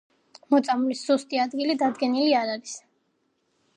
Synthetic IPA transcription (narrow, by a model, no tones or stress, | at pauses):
mɔt̪sʼamlisz̥ust̪ʼiad̪ɡilid̪ad̪ɡɛniliaɾaɾis